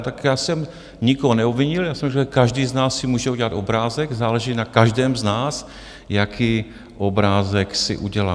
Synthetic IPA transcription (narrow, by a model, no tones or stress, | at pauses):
t̪akjaːsɛm | ɲɪkoɦonɛobvɪɲɪljaːsɛmkkaʒdiːznaːsːɪmuːʒɛuɟɛlat̪o̞bɾaːzɛɡzaːlɛʒiːnakaʒdɛːmznaːs | jakʰiː | ʔobɾaːzɛksɪ̰ʔuɟɛlaː